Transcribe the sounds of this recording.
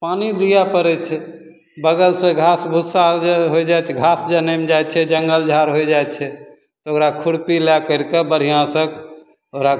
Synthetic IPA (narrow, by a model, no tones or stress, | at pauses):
panilijapəɾɛt͡ʃʰɛ | bəɡəlsẽɡʱasbʱusaɦojd͡ʒat͡ʃʰɛɡʱasd͡ʒənemed͡ʒajt͡ʃʰɛd͡ʒəŋɡəld͡ʒʱaɾɦojd͡ʒajt͡ʃʰɛ | t̪ɔokɾakʰuɽpilakəɾkebəɽ̤ijãsək | oɾa